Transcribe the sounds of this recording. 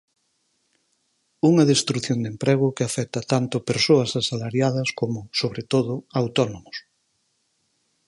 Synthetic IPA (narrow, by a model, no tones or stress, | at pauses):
uŋɐðest̪ɾuθjond̪empɾeɣ̞ʊkɪafɛt̪ɐt̪ant̪ʊpeɾsoɐsasalaɾjað̞ɐskomʊsoβɾet̪oðʊawt̪ɔnomʊs